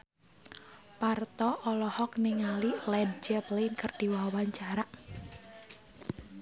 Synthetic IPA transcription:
part̪ɔʔɔlɔhɔkniŋalilɛd̚d͡ʒəplenkərd̥iwawaɲt͡ʃaɾaʔ

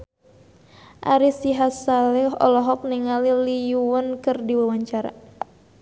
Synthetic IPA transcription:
ʔa̰ɾisiɦasalɛɦɔ̰lɔɦɔk̚niŋalilijuwənkɨrdiwawaɲt͡ʃaɾa̰

